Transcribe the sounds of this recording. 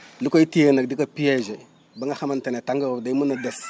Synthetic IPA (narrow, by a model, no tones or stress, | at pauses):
lukoitijənakdikapijad͡ʒe | baŋaxamantanetaŋɡaɣadaimunades